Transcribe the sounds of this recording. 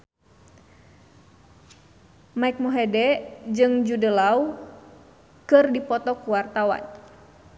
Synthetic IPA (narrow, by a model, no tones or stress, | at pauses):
maik̚muɦɛdɛd͡ʒɨŋd͡ʒudəlaw | kɨrdipɔt̪ɔkuwart̪awa̰n